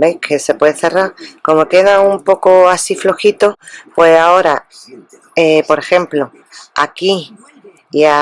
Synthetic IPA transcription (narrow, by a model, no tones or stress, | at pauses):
bejkʰe̞se̞pwe̞ðeθe̞raɾko̞mo̞ke̞ðaumpo̞koasiflo̞xit̪o̞pwe̞sao̞ɾa | epo̞ɾe̞xe̞mplo̞ | akiː | a